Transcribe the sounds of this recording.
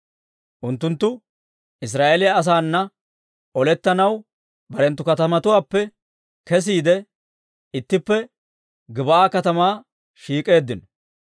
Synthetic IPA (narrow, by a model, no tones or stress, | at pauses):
ʔʊnt̪ːʊnt̪ːʊ | ʔɪs̬ɾaːʔelɪjaɐs̬aːnːɐ | ʔɔlɛt̪ːɐnɐw | bɐɾɛnt̪ːʊkɐt̪ɐmɐt̪ʊwaːpːɛ | kɛs̬iːd̪ɛ | ɪt̪ːɪpːɛ | ɡɪbɐaːkɐt̪ɐmaː | ʃiːkʼe̞ːd̪ːɪnɔ